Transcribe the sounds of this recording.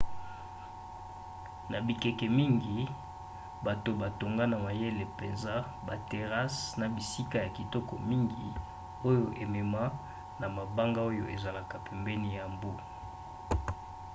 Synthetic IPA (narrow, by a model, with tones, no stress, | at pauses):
na˨bi˨kɛ˨kɛ˨mi˦ŋɡi˨ | ba˨to˨ba˨to˨ŋɡa˦na˨ma˨je˦le˨pe˨nza˦ | ba˨te˨ʁa˦sna˨bi˨si˦ka˦ja˨ki˨tɔ˦kɔ˨mi˦ŋɡi˨ | o˦jo˨ʔe˨mɛ˨ma˦ | na˨ma˨ba˦ŋɡa˦o˦jo˨ʔe˨za˨la˨ka˨pɛ˨mbɛ˦ni˦ja˨mbo˦